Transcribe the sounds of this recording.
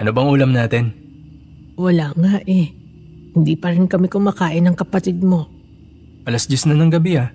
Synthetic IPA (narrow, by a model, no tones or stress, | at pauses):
ʔɐnobɐŋʔuːlɐmnaːt̪ɪn | wɐlaːŋaʔɛ | hɪnd̪iːpɐɾɪnkɐmɪkʊmakaːʔɪnɐŋkɐpɐt̪ɪd̪̚mo̞ | ʔɐlɐsd͡ʒɛsnɐnɐŋɡɐbɪa